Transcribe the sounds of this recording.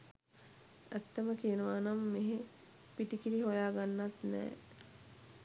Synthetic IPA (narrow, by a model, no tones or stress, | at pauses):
æt̪ːəməkijənəʋaːnamːeɦe | piʈikiɾiɦojaːɡanːat̪nɛ̰ː